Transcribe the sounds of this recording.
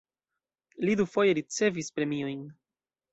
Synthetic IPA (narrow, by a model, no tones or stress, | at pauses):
lid̪ufojeɾit͡sevispɾemioiŋ